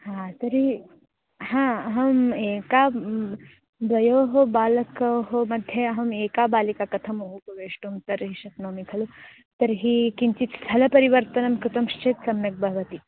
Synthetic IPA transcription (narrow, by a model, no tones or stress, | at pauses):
hãːt̪ɐɾi | hãːɐɦɐmeːkaː | d̪ʋɐjoːɦobaːlɐkɐɦomɐd̪ʱjɐɐɦɐmeːkaːbaːlikaːkɐt̪ʰɐmoɦupɐʋeːʂʈumt̪ɐɾɦiʃɐt̪noːmikʰɐlu | t̪ɐɾɦikiɲt͡ʃit̪st̪ʰɐlɐpɐɾiʋɐɾt̪ɐnɐmkut̪ɐmʃt͡ʃʰeːt̪sɐmjɐk̚bʱɐɦɐʋɐt̪i